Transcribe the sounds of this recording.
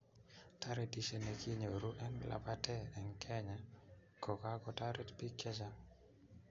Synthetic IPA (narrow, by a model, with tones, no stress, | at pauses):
ta˦ɾe˨di˨se˨ne˨kʰi˦ɲo˨ɾu˦ʔɛ˦nlʔa̰˨pa˦tɛ˦ɛ˨ŋkʰɛ˦ɲa˨ | kɔ˨ka˦kɔ˦ta˦ɾe˦tpi˦kɛ˦sa˦